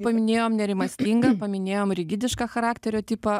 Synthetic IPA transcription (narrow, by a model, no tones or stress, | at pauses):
pɐmʲɪnʲeːjoːmnʲɛɾʲɪmɐsʲt̪ʲiːŋɡɐpɐmʲɪnʲeːjoːmɾʲɪɡʲɪd̪ʲɪʃkɑːxɐɾɑːkt̪ʲɛɾʲoːt̪ʲiːpɐ